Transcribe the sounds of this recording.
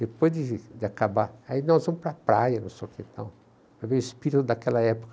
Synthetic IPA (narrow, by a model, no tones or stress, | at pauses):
d̪epojzd̪ɪd͡ʒɪakabaainɔzvɐ̃mʊspɾɐapɾajɐnɐ̃w̃sekẽt̪ɐ̰̃w̃ | pɾɐvẽj̃ʊɪspiɾit̪ʊd̪ɐkɛlɐɛpo̥kɐ